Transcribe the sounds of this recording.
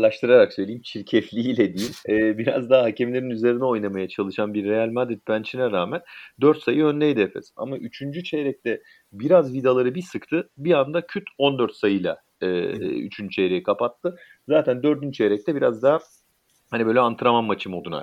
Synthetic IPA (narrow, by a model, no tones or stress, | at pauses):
lˠaʃt̪ʰɯɾaɾaksø̞jlʲiːimt͡ʃʰiɾcʰɛflʲiilʲɛd̪ijilʲɛbiɾa̰zd̪aɦaɦacʰemlʲe̞ɾinyze̞ɾinɛo̞jnamajat͡ʃʰalˠɯʃanbiɾːe̞jalʲmad̪ɾit̪̚bænt͡ʃʰinɛɾaːmænd̪øɾt̪sajɯønlʲejid̪ɛfɛ̰sa̰maʔyt͡ʃʰynd͡ʒyt͡ʃʰeɾɛc̚t̪ʰɛ | biɾazvid̪alˠaɾɯbisɯkt̪ʰɯbiand̪acʰyt̪ʰo̞nd̪øɾt̪sajɯjlˠa̰ː | y̰t͡ʃʰynd͡ʒyt͡ʃʰejɾejikʰapat̪ʰːɯ | zaːt̪ʰænd̪ø̞ɾd̪ynt͡ʃʰejɾɛc̚t̪ʰɛbiɾazd̪aɦa | hanibø̞jlʲɛant̪ʰɯɾamamːat͡ʃʰɯmo̞d̪una̰